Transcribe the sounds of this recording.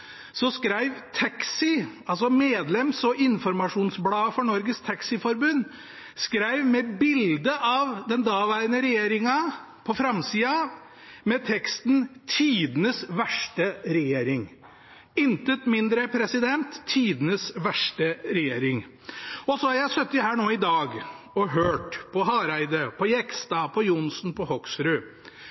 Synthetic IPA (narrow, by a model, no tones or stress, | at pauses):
sɔskɾæɪʋt̪ʰɑksɪɑls̬ɔmeːd̪lɛmsɔʔɪnfɔɾmɑʂuːnsblɑːfɔɳɔɾɡəst̪ʰɑksɪfɔɾbʉnː | skɾæɪʋmɛbɪld̪əʔɑʋd̪ɛnd̪ɑːʋæːɾənəɾɛjeːɾɪŋɑ | pʰɔfɾɑmsiːɑ | mɛt̪ʰɛkst̪nt̪ʰiːd̪ənəsʋæʂʈəɾɛjeːɾɪŋ | ɪnt̪ət̪mɪnd̪ɾəpʰɾɛsɪd̪ɛnt̪ʰːiːd̪ənəsʋæʂʈəɾɛjeːɾɪŋ | ɔsɔhɑɾjæɪsœt̪ːjʊɦæːɳoːɪd̪ɑːɡ | ɔɦøːʈpʰɔɦɑːɾæɪd̪əpʰɔjɛkst̪ɑpʰɔjʊnsn̩pʰɔhɔksɾʉ